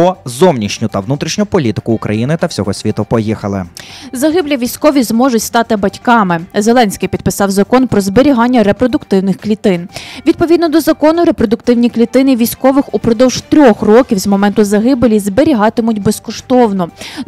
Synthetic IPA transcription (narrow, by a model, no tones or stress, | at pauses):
ɔzɔwnʲit͡ʃnʲʊt̪ɐʋnut̪ɾʲiʃnʲʊpɔlʲit̪ɪ̥kʊːkɾʔɐ̰jinɪt̪ɐwsʲɔɦɔsʲʋʲit̪ʊpɔjixɐlˠɪ̰zɐɦɪblʲiʋʲijsʲkɔʋʲizmɔʒʊtʲst̪ɑt̪ɪbɐtʲkɑmɪzelˠɛnʲsʲkɪjpʲid̪̚pɪsɑwzɐkɔnpɾɔzbeɾʲiɦɑnʲːɐɾepɾɔd̪ʊkt̪ɪwnɪxklʲit̪ɪnʋʲid̪̚pɔʋʲid̪nɔd̪ɔzɐkɔnʊɾe̞pɾɔd̪ʊkt̪ɪwnʲiklʲit̪ɪnɪʋʲijsʲkɔʋɪxʊpɾɔd̪ɔwʒt̪ɾʲɔxrɔkʲiwzmɔmɛnt̪ʊzɐɦɪblʲizbeɾʲiɦɑt̪ɪmʊtʲbeskɔʃt̪ɔwnɔ